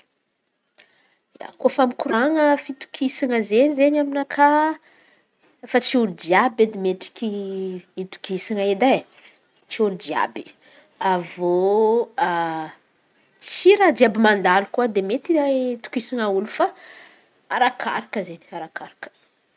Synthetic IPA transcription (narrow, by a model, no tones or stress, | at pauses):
a̰kofamikuɾaŋəfit̪u̥kʰisaŋəzenizenaminakʰa | fat͡siuɾud͡ʒiabed̪emeʈ͡ʂi̥kʲiit̪u̥kisaŋaed̪a | t͡ʃiuɾud͡ʒia̰bi̥ | avo | a | t͡siɾad̪iabimand̪alukuad̪emet̪iat̪u̥kisaŋaulufa | aɾakʰa̰ɾakəzeni̥aɾakaɾakə̥